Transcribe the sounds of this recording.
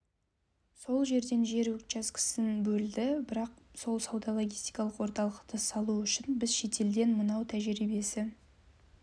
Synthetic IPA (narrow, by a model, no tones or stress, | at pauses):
so̞lˠʒe̞ɾd̪e̞nʒe̞ɾwɵkt͡ʃɑskʲʰɪ̥sɪnbɵld̪ɪbɪɾɑq̚so̞lˠsɑwd̪ɑlˠo̞ɡʲijst̪ijkɑlˠəqwo̞ɾt̪ɑlˠəqt̪əsɑlˠuʏʃɪnbɪzʃe̞t̪ʰe̞ld̪e̞nmənɑwt̪ʰæʒɾibe̞sɪ